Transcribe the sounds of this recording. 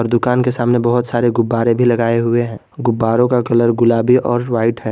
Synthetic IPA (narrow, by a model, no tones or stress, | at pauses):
ɔːɾd̪ʊkaːnkesaːmnebɐɦʊt̪saːɾeɡʊbːaːɾẽbʱilɐɡaːeɦʊeɦɛ̃ː | ɡʊbːaːɾõkakɐləɾɡʊlaːbiʔɔːɾʋaːɪʈɦɛː